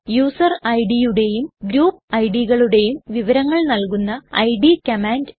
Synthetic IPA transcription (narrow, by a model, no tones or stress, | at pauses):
juːsɐrɐjɖijuɽe̞jumɡɾuːpːɐjɖiɣɐɭuɽe̞jumʋiʋɐɾɐŋːɐɭnɐlkunːɐɐ̰jɖikɐmaːnd